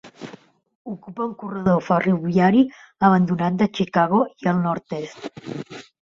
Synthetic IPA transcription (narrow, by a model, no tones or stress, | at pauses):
ukupauŋkurəðofariβjaɾi | əβənd̪unat̪̚d̪ət͡ʃikaɣ̞oiəlˠnɔɾt̪est̪